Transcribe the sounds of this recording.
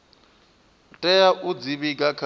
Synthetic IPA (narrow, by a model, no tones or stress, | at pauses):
tʼɛjaʔud͡ziβiɡʼakʰ